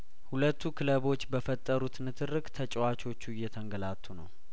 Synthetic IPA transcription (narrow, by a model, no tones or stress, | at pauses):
hulət̪ʰːukʰɨləβo̞t͡ʃːbəfət̪ʼːəɾut̪nɨt̪ʰɨrːɨɡt̪ʰət͡ʃʼwat͡ʃo̞t͡ʃːujːɛt̪ʰəŋɡəlat̪ʰːunəw